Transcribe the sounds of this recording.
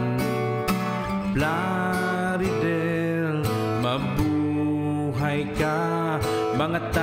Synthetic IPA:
bla | ɾidɛ | l | məmbu | ɦajka | maŋət̪ːa

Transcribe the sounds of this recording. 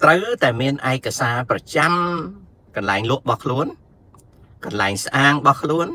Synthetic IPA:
t̪rəwt̪aɛmiənʔaɛkːasaːprɑt͡ɕam | kɑnlaɛŋlʊ̆əʔɓɑhkʰluən | kɑnlaɛŋsʔaːŋɓɑhkʰluən

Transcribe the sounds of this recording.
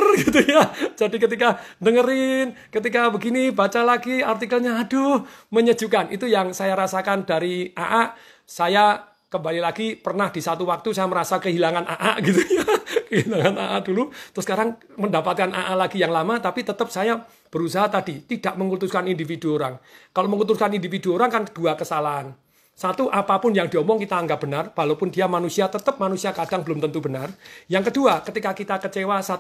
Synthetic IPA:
rɡit̪ujad͡ʒ̥adikət̪ikadəŋəɾɪn | kət̪̬ikabəɡinibat͡ʃalaɡiart̪ikəlɲaːdoməɲə̥d͡ʒ̥ukanʔit̪ujaŋsajaɾasakandaɾia̰ʔaʔ | saja | kəmbalilaɡipərnahd̥isat̪uwak̚t̪usajaməɾasakəɦilaŋanʔaʔaʔɡit̪ujakəɦilaŋana̰ʔa̰ʔd̥ulut̪ʊskaɾaŋ | məndapat̪̚kana̰ʔalaɡijaŋlamat̪apit̪ət̪əp̚saja | b̥əɾusaɦat̪ad̥it̪id̥aʔməŋut̪uskanindifiduoɾaŋkaloməŋut̪ʊskanindifiduoɾaŋkand̥uakəsalaɦan | sat̪uʔapapʊnjaŋdiɔmɔŋkit̪aːŋɡaʔ̚b̥ənarwalowpʊndiamanusiat̪ət̪əp̚manusiakad̥aŋbəlʊmt̪ənt̪ubənarjaŋkəduakət̪ikakit̪akət͡ʃewasa

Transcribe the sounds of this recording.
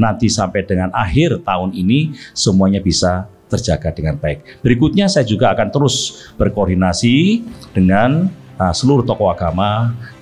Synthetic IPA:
nant̪isampɛd̥əŋanʔa̰ɦɪrt̪aʊninisəmuaɲab̥isat̪ərdd͡ʒʒ̥aɡ̥ad̥əŋanbaɪk̚b̥əɾikut̪̚ɲasajad͡ʒuɡaːkant̪əɾʊs | b̥ərkoːrdinasid̥əŋan | əsəluɾʊht̪ɔkɔaɡ̥ama

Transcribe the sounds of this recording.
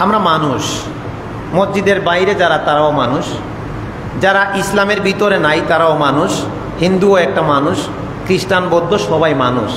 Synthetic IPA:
amɾamanuʃ | mod͡ʑːid̪eɾbajɾed͡ʑaɾat̪aɾaomanuʃ | d͡ʑaɾaʔislameɾbit̪oɾenajt̪aɾaomanuʃ | hind̪uoɛk̚ʈamanuʃ | kɾiʃʈanbɔd̪ʱːoʃɔbajmanuʃ

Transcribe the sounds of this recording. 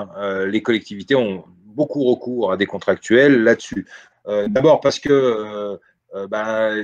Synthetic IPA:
ølekɔlɛk̚t̪ivit̪eɔ̃ | bokuʁəkuːʁad̪ekɔ̃t̪χak̚t̪ɥɛlːad̪əsy | ød̪abɔʁpaʁsə̥kəø | ba

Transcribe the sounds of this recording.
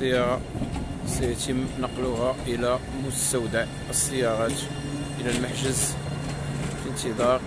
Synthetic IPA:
əjɑɾɑsæjæt̪əmːnɑqluɦæʔəlæ | mʊst̪æwd̪aʔ | əsˤːəjːɑɾɑt̪ | ʔəlælmaħʒəz | fənt̪əd̪ˤɑɾ

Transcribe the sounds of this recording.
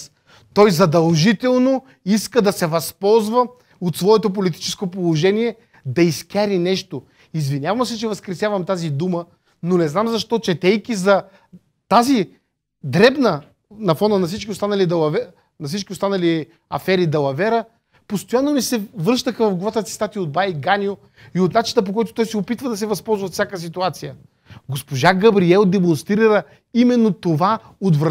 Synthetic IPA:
t̪ɔjzɐd̪ɐlˠʒit̪ɛlˠno | iskəd̪ɐsɛvɐspɔlˠzvə | ot̪svɔɛt̪op̬olit̪i̥t͡ʃɛ̥skopolˠoʒɛniɛ | d̪ɐiskʲaɾinɛʃt̪o | izvinʲavɐmsɛt͡ʃɛvɐskɾɛsʲjavɐmt̪azid̪umə | nonɛznamzɐʃt̪ɔt͡ʃɛt̪ɛjkizɐ | t̪azi | d̪ɾɛbnə | nɐfɔnənɐfsit͡ʃkʲiost̪anɐlid̪ɐlˠɐv | nɐfsit͡ʃkʲiost̪anɐli | ɐfɛɾid̪ɐlˠɐvɛɾə | post̪ojanːomisɛvɤʃt̪əxəvɐfɡlˠɐvat̪ət̪i̥st̪at̪iod̪̚bajɡanʲio | iot̪nat͡ʃinəp̬okɔjt̪o̥t̪ɔjsɛopit̪vəd̪ɐsɛvɐspɔlˠzvɐfsʲakəsit̪uat̪sijə | ɡospoʒaɡɐbɾiɛlˠd̪ɛmõnst̪ɾiɾə | imɛnːot̪ova | ot̪vɾɐ

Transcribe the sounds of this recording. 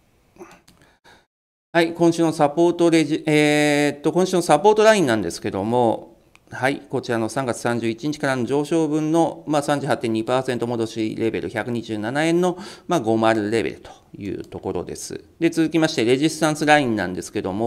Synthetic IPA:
haikõ̞ɰ̃ɕɨːnosapo̞ːt̪o̞ɾeʑieːt̪ːo̞kõɕɨːno̞sapo̞ːt̪o̞ɾaĩnːãnd̪e̞sɨ̥ke̞d̪o̞mo̞ | haiko̞t͡ɕiɾano̞sãŋɡat͡sɨ̥sãɲ̟d͡ʑɨːit͡ɕiɲ̟it͡ɕikaɾano̞ʑo̞ːɕo̞ːbɯ̟̃nːo̞maːsãɲ̟d͡ʑɨ̟ɦat̪ːeɲ̟ːipaːsent̪o̞mo̞d̪o̞ɕiɾe̞be̞̰ɾɯ̟çakɯ̟ɲ̟iʑɨːnanaẽ̞nːo̞maɡo̞maɾɯ̟ɾe̞be̞̰ɾɯ̟t̪o̥jɯ̟̰ːt̪o̞ko̞ɾo̞̰d̪e̞̰sɨ̰d̪e̞t͡sɨzɨkʲimaɕi̥t̪e̞ɾe̞ʑist̪ãɰ̃sɨɾaĩnːã̰nd̪e̞sɨ̥ke̞d̪o̞̰mo

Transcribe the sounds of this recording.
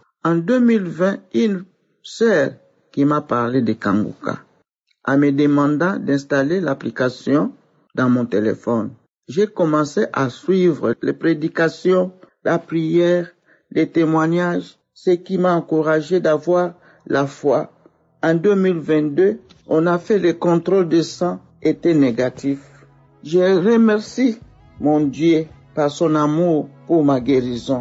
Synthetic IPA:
ɑ̃d̪ømilvɛ̃yn | sœʁ | kimapaʁled̪əkã̰ŋɡṵka̰ | ã̰məd̪əmɑ̃d̪ɑ̃d̪ɛ̃st̪alelaplikasjɔ̃ | d̪ɑ̃mɔ̃t̪elḛfɔn | ʒekɔmɑ̃seʔasɥivʁəlepʁed̪ikasjɔ̃ | lapχijɛʁ | let̪emwaɲaʒ | səkimaɑ̃kuʁaʒed̪avwaːʁ | lafwa | ɑ̃d̪ømilvɛ̃t̪d̪ø | ɔ̃nafɛlekɔ̃t̪ʁold̪əsɑ̃ | et̪ɛneɡat̪if | ʒeʁəmɛʁsi | mɔ̃d̪jø | paʁsɔ̃namuʁpuʁmaɡeʁizɔ̃

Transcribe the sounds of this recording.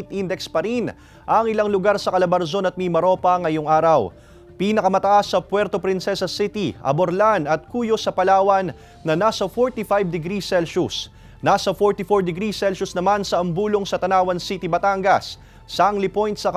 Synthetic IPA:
t̪ʔind̪ɛkspɐɾin | ʔɐŋɪlaŋlʊɡaɾsɐkɐlɐbɐɾzo̞nɐt̪̚mimɐɾo̞pɐŋɐjoŋʔaːɾɐw | pinɐkɐmɐt̪ɐʔasːɐpwɛɾt̪o̞pɾɪnsɛsɐsɪt̪iɐ̰boɾlanɐt̪̚kuːjo̞sɐpɐlaːwɐnː | ɐnasɐfoɹt̪ifajb̚d̪ɛɡɾisɛlʃʊs | nasɐfoɹt̪ifoɹd̪ɛɡɾisɛlʃʊsnɐmansɐʔɐmbuːlo̞ŋsɐt̪ɐnaːwɐnsit̪ibɐt̪aŋɡɐsː | aŋlipo̞jnt̪sɐk

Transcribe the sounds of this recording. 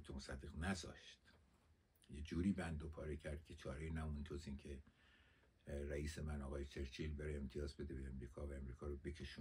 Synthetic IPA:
t̪ʰomosæd̪ːe̞ɣnæzɒ̰ːʃt̪ | jed͡ʒuːɾiːbænd̪opʰɒːɾecʰæɾd̪̚kʲʰet͡ʃʰɒːɾejinæmunt̪ʰoziːncʰe | ɾæiːse̞mænɒːɣɒːjet͡ʃʰe̞ɾt͡ʃʰiːlbeɾeemt̪ʰijɒːzbe̞d̪ebeːmɾiːkʰɒːvæemɾiːkʰɒːɾobe̞cʲʰe̞ʃuːn

